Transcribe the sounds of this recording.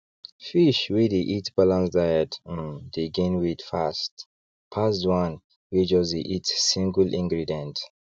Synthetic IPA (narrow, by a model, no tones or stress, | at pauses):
fiʃwedeʔitb̥alãnsdajɛtndeɡẽnwitfast | pʰasdwãn | wed͡ʒɔzdeʔitsĩŋɡəlʔĩŋɡɹidɛ̃nt